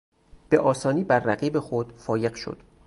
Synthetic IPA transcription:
b̥e̞ʔɒːsɒːniːbæɾːæɢiːbe̞xod̪̥fɒːje̞ɢʃo̰d̪̥

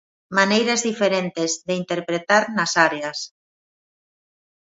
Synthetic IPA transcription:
manejɾazðifeɾent̪ɪzðeint̪eɾpɾet̪aɾnasaɾeas

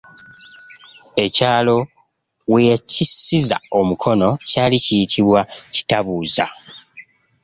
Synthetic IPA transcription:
e̞caːlo̞ | wejecisːiza̰o̞mukʰo̞no̞caːlicijitʰiβwaci̥taβuːza̰

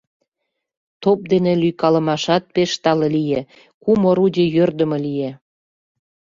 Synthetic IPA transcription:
t̪op̚d̪enelyjkɑlə̆mɑʃɑt̪̚peʃt̪ɑlelije | kumoɾudʲejørd̪ə̆mə̆lije

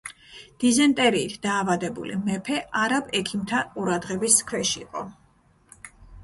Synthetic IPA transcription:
d̪̥izɛnt̪ʼɛɾiːt̪ʰd̪aːvad̪ɛbṵlḭmɛpʰɛʔaɾabɛkʰimt̪ʰaqʼuɾad̪ʁɛbiskʰwɛʃiːqʼɔ̰

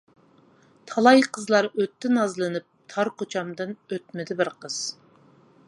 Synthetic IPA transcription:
t̪ʰɑlˠɑjqʰəzlˠɑɾøt̪ːɪnɑzlˠɨnɨp̚t̪ʰɑɾqot͡ʃʰɑmd̪ɨnøt̪mɪd̪ɪbɪɾqəz̥

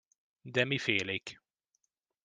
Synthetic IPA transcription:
d̪ɛmifeːleːk

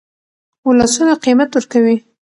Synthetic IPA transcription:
wulasunaqimat̪wəɾkawi

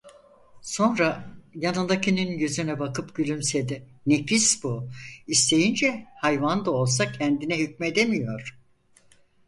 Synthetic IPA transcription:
so̞nɾajanɯnd̪acʰininjøzynɛbakɯpɟylʲymsed̪inecisbuist̪ʰe̞jind͡ʒɛhajvand̪ao̞lˠs̬acʰɛnd̪inɛɦyc̚me̞d̪e̞mijo̞ɾ̥

